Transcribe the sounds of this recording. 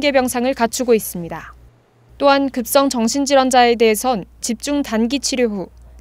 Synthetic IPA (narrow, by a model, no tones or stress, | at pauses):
ɡe̞bjʌŋsʰaŋɯɭkat͡ɕʰuɡois͈ɯmɲida | t͈oɦankɯp̚s͈ʌŋt͡ɕʌŋɕʰind͡ʑiɾwʌnd͡ʑae̞de̞ɦesʰʌnt͡ɕip̚t͡ɕ͈uŋtanɡit͡ɕʰiɾjoɦu